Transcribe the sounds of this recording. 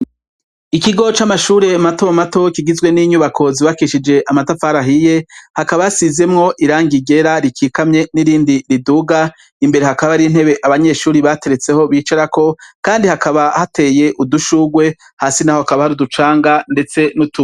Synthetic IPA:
ikiɡo̞t͡ʃamaʃuːɾe̞mato̞mato̞kiɡizɡwe̞niɲuβakʰo̞ziβakiʃid͡ʒe̞ʔamatafaɾaɦije̞hakaβajasize̞mŋo̞ʔiɾaːŋɡiɡe̞ɾaɾikiːkamɲe̞niɾiːndiɾiduːɡa | imbe̞ɾe̞hakaβaɾin̥he̞βe̞ʔaβaɲe̞ːʃuːɾiβate̞ɾe̞t͡se̞ho̞βiːt͡ʃaɾako̞kaːndihakʰaβahate̞je̞ʔuduʃuːɡwe̞ | haːsinaho̞hakaβahaɾudut͡ʃaːŋɡande̞t͡se̞nutu

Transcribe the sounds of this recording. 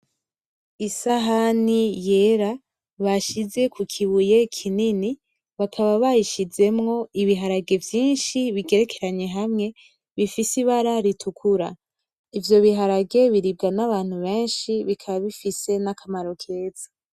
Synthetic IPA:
isaɦanije̞ɾa | βaʃize̞kʰukʰiβuje̞kʰinini | βakʰaβaβajiʃize̞mŋo̞iβiɦaɾaɡe̞vjiːnʃiβiɡe̞ɾe̞kʰe̞ɾaɲe̞ɦamŋe̞ | βifisiβaɾaɾitʰukʰuɾa̰ | ivjo̞βiɦaɾaɡe̞βiɾib̚ɡanaβaːn̥huβe̞ːnʃiβikʰaβaβifise̞nakʰamaɾo̞kʰe̞ːz̥ḁ

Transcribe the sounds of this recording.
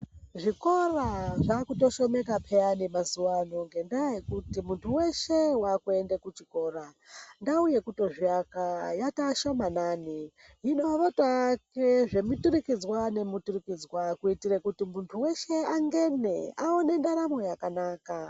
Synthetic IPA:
ʐiko̞raʐakuto̞ʃo̞me̞kapʰeanimazuwano̞ŋɡe̞ndaekutimuntʰuwe̞ʃe̞wakue̞ndekut͡ʃiko̞ːɾandauje̞kuto̞ʐiakajataʃomanaːni | ino̞ʋatakeʐe̞mutuɾikid͡zwane̞muturikid͡zwakuitirekutimuntʰuwe̞ʃe̞aŋɡe̞nḛaone̞ndaɾamo̞jakanaːka

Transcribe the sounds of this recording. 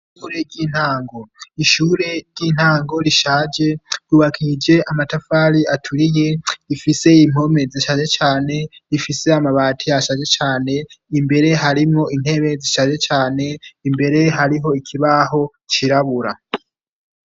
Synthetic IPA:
ʃuɾe̞ɡɟiːn̥haːŋɡo̞iʃuːɾe̞ɾɟiːn̥haːŋɡo̞ɾiʃaːd͡ʒe̞juβakʰid͡ʒe̞ʔamatafaːɾiatʰuɾije̞ifise̞im̥o̞me̞ziʃaːd͡ʒet͡ʃaːne̞ifise̞amaβaːtʰijaʃad͡ʒe̞t͡ʃaːne̞imbe̞ɾe̞ɦaɾimŋo̞ʔin̥he̞βe̞ziʃaːd͡ʒe̞t͡ʃaːne̞imbe̞ɾe̞ɦaɾiɦo̞ikʰiβaɦo̞ | t͡ʃiɾaβuɾa

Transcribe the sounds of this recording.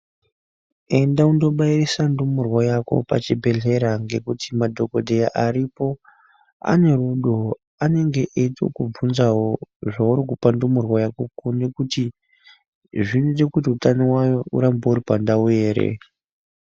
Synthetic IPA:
e̞ndaundo̞ɓairisandumurwojako̞̰pa̰t͡ʃibʱe̞ɮe̞ɾaŋɡe̞kutimadʱo̞ko̞dʱejaʔaɾipo̞ | a̰ne̞ruɗo̞ | ane̞ŋɡe̞ʔeito̰kub͡vunzawoʐauɾikupandumurwojakokune̞kuti | ʐinudekut̬iutanowaṵɾambauɾipandaweːɾḛ

